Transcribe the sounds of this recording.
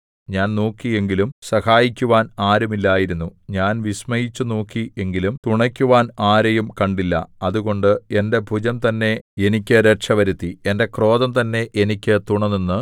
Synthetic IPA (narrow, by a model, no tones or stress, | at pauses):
ɲaːnnoːkːie̞ŋɡilumsɐhaːjikʲːuʋaːnaːɾumilːaːjiɾunːuɲaːnʋismɐjit͡ɕːunoːkːie̞ŋɡilumt̪uɳɐkʲːuʋaːnaːɾɐjumkɐɳɖilːɐ̰ɐðuɣo̞ɳɖɨe̞nde̞bʱud͡ʑɐmt̪ɐnːe̞e̞nikʲːɨɾeʈʂɐʋɐɾut̪ːie̞nde̞kro̞ːðɐmt̪ɐnːe̞ʔenikʲːɨt̪uɳɐninːɨ